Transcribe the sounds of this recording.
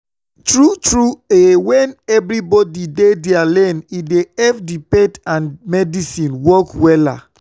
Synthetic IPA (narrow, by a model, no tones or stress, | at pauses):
tɹutɹuewɛ̃nɛbɾibɔdidedɛalɛnideɛfdipetãnmɛdisĩnwɔkwɛla̰